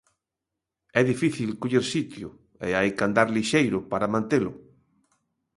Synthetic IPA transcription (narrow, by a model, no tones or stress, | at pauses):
ɛðifiθilkoʎeɾsit̪jʊ | ḛajkand̪aɾliʃejɾʊpaɾamãnt̪elʊ